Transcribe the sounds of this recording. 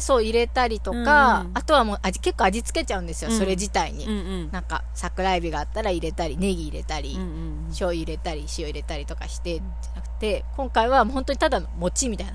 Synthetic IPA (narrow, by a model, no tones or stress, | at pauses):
so̞ːiɾe̞t̪aɾʲit̪o̞kaːt̪o̞β̞amo̞ːʔaike̞kːo̞ad͡ʑit͡sɨ̥ke̞t͡ɕaɯ̟̃nd̪esɨjo̞so̞ɾe̞d͡ʑit̪aiɲ̟ḭ | nãŋka̰sakɯ̟ɾaibʲiɡaːt̪ːaɾaiɾe̞t̪aɾʲine̞ɡʲiːɾe̞̰t̪aɾʲi | ɕo̞ːiːɾe̞t̪aɾʲiɕio̞iɾe̞t̪aɾʲit̪o̞kaɕi̥t̪e̞ | d͡ʑanakɯ̟̥t̪e̞kõ̞ŋkaiβamoho̞nt̪o̞ɲ̟it̪ad̪ano̞mo̞t͡ɕimʲit̪aina